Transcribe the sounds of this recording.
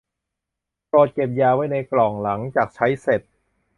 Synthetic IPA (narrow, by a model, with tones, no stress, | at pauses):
pɔː˨˩t̪̚ke˨˩p̬̚jaː˧wa˦˥jna˧jklɔː˨˩ŋla˩˦ŋt͡ɕaː˨˩k̚t͡ɕʰa˦˥jse˨˩t̪̚